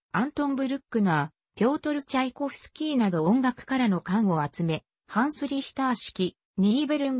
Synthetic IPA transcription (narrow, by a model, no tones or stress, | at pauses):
ãnt̪õ̞mbɯ̟ɾɯ̟kːɯ̟naː | pʲo̞ːt̪o̞ɾɯt͡ɕiaiko̞ɸɯ̟̥sɨ̥kʲiːnad̪o̞õŋɡakɯ̟̥kaɾano̞kãɰ̃o̞at͡sɨme̞ | hãɰ̃sɨɾʲiçʲi̥t̪aːɕi̥kʲi | ɲʲibeɾɯ̃ŋ